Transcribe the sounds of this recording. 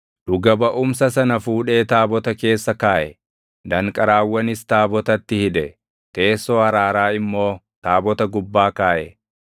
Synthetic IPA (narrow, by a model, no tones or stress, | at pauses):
d̪ʊɡɐbɐʔʊmsɐsɐnɐfuːᶑe̞ːt̪aːbɔt̪ɐke̞ːsːɐkaːʔɛ | d̪ɐŋkʼɐɾaːwːɐnɪst̪aːbɔt̪ɐt̪ːɪhɪᶑɛ | t̪e̞ːsːoːɐɾaːɾaːɪmːo̞ː | t̪aːbɔt̪ɐɡʊbːaːkaːʔɛ